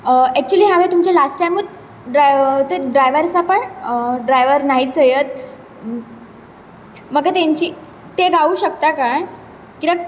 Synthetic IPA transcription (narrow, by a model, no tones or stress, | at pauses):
əɛk̚t͡ɕuəliːɦaʋet̪umt͡ɕalasʈajmːəd̪ | ɖt̪əɖɾajʋəɾsapəɳɖɾajʋəɾnaɦiːt͡səjət̪̚ | məɡat̪jãɲt͡ɕiː | t̪eɡauːɕək̚t̪akaj | kit̪a